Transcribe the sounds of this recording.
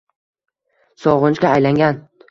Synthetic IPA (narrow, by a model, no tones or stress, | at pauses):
sɒʁʊnt͡ʃkʲaːjlaŋɡʲan